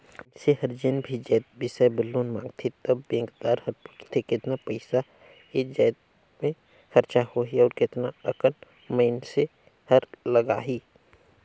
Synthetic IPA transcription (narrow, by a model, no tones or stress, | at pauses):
sehɐɾd͡ʒenbʱid͡ʒɛːt̪̚bɪsɛbɪlːoːnmãːŋɡt̪ʰet̪əbːẽːŋɡd̪aːɾhɐɾpʊʈt̪ʰekɪt̪napəɪsa | ed͡ʒɛːt̪̚ | mẽ | xəɾt͡ʃahoɦiɔːɾkɪt̪naəkən | məɪnse | həɾləɡaːɦi